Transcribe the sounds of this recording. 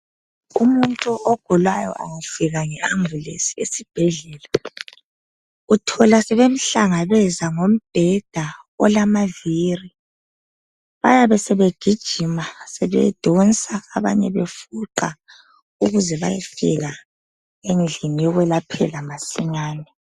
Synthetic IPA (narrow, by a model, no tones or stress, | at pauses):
umuntʼuʔɔɡ̥ʱɔlwajɔ̰ʔa̰ŋufiɣaŋɛaŋbulesi̥esib̥ʱɛɮɛːla | utʰɔlasɛβem̩ɬaŋaβɛzaŋom̩b̥ʱɛd̥ʱa | ɔ̰lamaviːri | βa̰jaβɛsɛβeɡ̥ʱid̥ʒ̥ʱimasɛβɛ̰d̥ʱɔnsʼaːβa̰ɲɛβefuǃa | uɣuzɛβa̰jifiɣa | enɮimijɔɣwɛlapʰɛlamasiɲaːnɛ